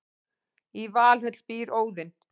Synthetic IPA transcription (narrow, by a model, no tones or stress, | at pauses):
ivaːlhʏt̪l̥piːɾoːwðɪn